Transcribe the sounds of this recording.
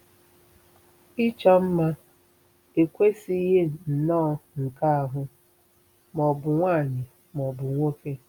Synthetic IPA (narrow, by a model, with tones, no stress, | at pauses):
i˦t͡ʃɔ˦m̩˦ma˦ | e˨kʷe˦si˦ɦe˦n̩˨nɔː˦ŋ̩˨ka˦a˨ɦʊ˦ | mɔ˨bʊ˨ŋʷaː˦˨ɲɪ˨ | mɔ˨bʊ˨ŋʷo˦ke˦